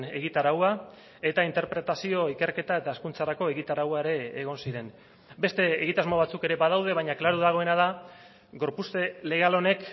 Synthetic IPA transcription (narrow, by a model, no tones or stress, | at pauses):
e̞ɣ̞it̪aɾawa | e̞t̪aint̪e̞ɾpɾe̞t̪asio̞ike̞ɾke̞t̪ae̞t̪aːskunt͡saɾako̞eɣit̪aɾawaeɾe̞ːɣ̞o̞nsiɾe̞n | be̞st̪e̞ːɣit̪azmo̞βat͡suke̞ɾe̞βað̞awð̞e̞β̞ajɲaklaɾuðaɣ̞o̞e̞nað̞a | ɡo̞ɾpust̪e̞le̞ɣalo̞ne̞k